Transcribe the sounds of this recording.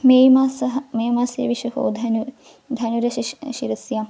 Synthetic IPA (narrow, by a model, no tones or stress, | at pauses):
mejmasɐɦɐmeːmasjɐ̰ʋiʃɐho̰ːd̪ʱɐnu | d̪ʱɐnuɾɐʃʃiɾɐsjam